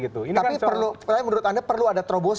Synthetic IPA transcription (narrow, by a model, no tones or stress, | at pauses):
ɡit̪uinapipərlusajmənuɾʊt̪andapərluadat̪ɾobos